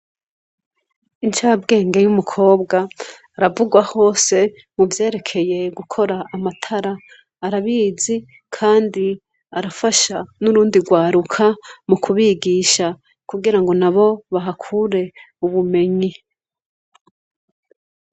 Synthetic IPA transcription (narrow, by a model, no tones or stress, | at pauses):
int͡ʃab̚ɡe̞ːŋɡe̞jumukʰo̞ːbɡaː | ɾavuɡwaho̞ːse̞ | muvje̞ːɾe̞kʰe̞je̞ɡukʰo̞ɾaːmatʰaɾaː | ɾaβiːzi | kʰaːndi | aɾafaʃanuɾuːndiɾɡwaːɾukʰamukʰuβiɡiːʃa | kuɡiɾaŋɡo̞naβo̞βaɦakʰuɾe̞ | uβume̞ɲi